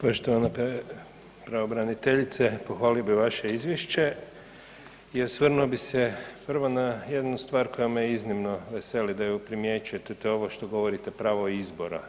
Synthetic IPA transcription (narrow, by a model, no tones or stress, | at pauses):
po̞ʃt̪oʋanap | pɾaobɾanit̪eʎit̪sepo̞xʋaːliobiʋaʃe̞izʋjeʃt͡ɕe̞ | iosʋrnuobisepr̩ʋo̞naje̞d̪nust̪ʋaːɾko̞jamejeiznimnoʋese̞lid̪ajupɾimje̞t͡ʃujet̪et̪eo̞ʋoʃt̪o̞ɡo̞ʋo̞ɾit̪e̞pɾaːʋoizbo̞ɾa̰